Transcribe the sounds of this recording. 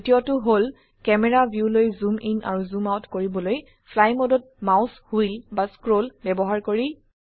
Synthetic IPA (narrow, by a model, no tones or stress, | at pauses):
tijɔtʊɦol | kɛmɛɹabʱjulojzumʔinʔa̰ɹuzumawtkoɹibɔloj | pʰlajmɔdɔt̚maʊshujlbaskɹolbɛbɔɦaɹkoɹi